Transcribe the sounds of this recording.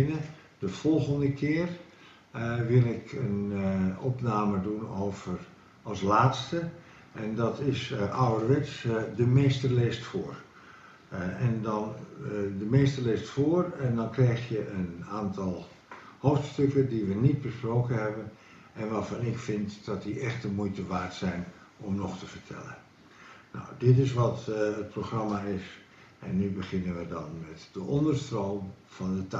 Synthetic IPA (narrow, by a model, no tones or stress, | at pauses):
nə | dəv̥ɔlˠɣəndəkʰɪːr | ʋɪlˠɪkənɔpnaːmədunoːv̥ər | ɑlˠslaːtstə | ʔɛndɔtɪsʔawərʋɪtsdəmeːstəlɪstfʊːr | ɛndɔndəmeːstərlɪstfoːərɛndɔnkrɛjxtjəənaːntɑlˠ | hoːftstøkədiʋənit̚bəsproːkənɦɛbən | ʔɛnʋaːɹfɑnɪkfɪntd̥ɔtdiʔɛxt̚dəmujtəʋaːɹtsɛjn | ɔmnɔxtəvərtʰɛ̰lə̰n | nɔ̰wdɪt̬ɪs̬ʋɔtət̚proxrɑmaɪs | ɛnːybəχɪnənʋədɑnmɛtd̥əʔɔndərstroːmfɑndəta